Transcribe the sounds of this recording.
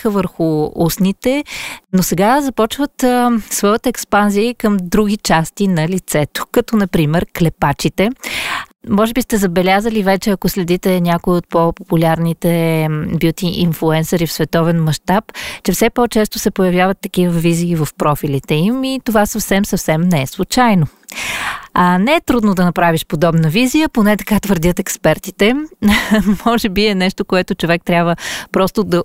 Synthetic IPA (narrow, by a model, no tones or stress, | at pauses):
xəvəɾxʊusnit̪ɛnosɛɡazɐpɔt͡ʃvət̪svɔjət̪ɛkspanziːkəmd̪ɾuɡʲit͡ʃast̪inɐlit̪sɛt̪o̥kɐt̪ɔnɐpɾimɛɾklɛpat͡ʃit̪ɛ | mɔʒɛbist̪ɛzɐbɛlʲazəlivɛt͡ʃɛɐkoslɛd̪it̪ɛnʲakʊiot̪̚popopulʲaɾnit̪ɛbjut̪iʔinflˠuɛnsɛɾifsvɛt̪ɔvɛnmɐʃt̪apt͡ʃɛfsɛpot͡ʃɛst̪ʊsɛpojɐvjavət̪ːɐkivəviziːvəfpɾɔfilʲit̪ɛimit̪ovasɐfsɛmsɐfsɛmnɛɛslˠut͡ʃajno | anɛɛt̪ɾud̪nod̪ɐnɐpɾaviʃpod̪ɔbnəvizijəponɛt̪ɐ̥kat̪vəɾd̪ʲət̪ɛkspɛɾt̪it̪ɛ | mɔʒɛbiɛnɛʃt̪okoɛt̪ʊt͡ʃovɛk̚t̪ɾʲabvəpɾɔst̪od̪ɐ